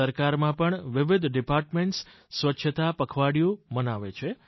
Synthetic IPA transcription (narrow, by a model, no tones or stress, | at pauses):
əɾkaɾmãpəɳʋɪʋɪd̪ʱɖɪpaɾʈmẽɳʈs | sʋətːʃʰət̪apəkʰʋaɽijũmənaʋet͡ʃʰe